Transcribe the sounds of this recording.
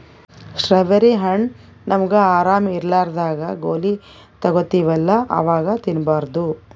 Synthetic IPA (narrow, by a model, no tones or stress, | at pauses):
ʃɾɐʋɐɾiɦɐɳ | nɐmɐɡeaːɾaːmiːɾlaːɾd̪aːɡɐɡoːli | t̪ɐɡot̪ːiʋɛlːɐʔɐ̰ʋaːɡɐt̪inbaːɾd̪u